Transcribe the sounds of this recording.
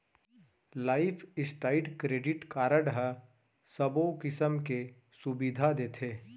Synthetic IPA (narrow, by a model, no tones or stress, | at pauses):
laːɪpʰɪsʈaːɪɖkɾeːɖɪʈkaːɾəɖɦə | səbokɪsəmke | sʊbid̪ʱad̪eːt̪ʰeː